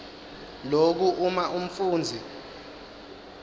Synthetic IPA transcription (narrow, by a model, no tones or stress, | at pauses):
lok̬uʔumaʔum̩fuːnd͡zʱi